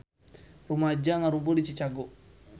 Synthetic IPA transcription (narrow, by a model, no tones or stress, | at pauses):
ɾumad͡ʒaŋaɾumboɗit͡ʃit͡ʃaɡɔ